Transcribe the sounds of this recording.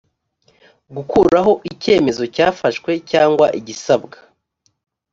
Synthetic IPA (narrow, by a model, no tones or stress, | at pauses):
ɡukuːɾɾaɦo̞ʔice̞ːme̞zo̞caːfaʃkwe̞caːŋɡwaʔiɟisabɡa